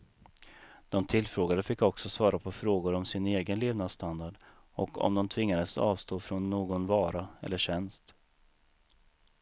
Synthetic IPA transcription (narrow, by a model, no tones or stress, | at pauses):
d̪̥ɔmt̪ʰɪlfɾoːɡad̪əfɪkːɔksɔsvɑːɾapʰɔfɾoːɡʊɾɔmsɪneːɡənleːvnad̪st̪and̪aɖ | ɔ̰kʰɔ̰md̪ɔmt̪ʰvɪŋːad̪əsɑ̰ːvst̪oːfɾɔnːoːɡɔnvɑːɾaɛ̰lːəɕɛnst̪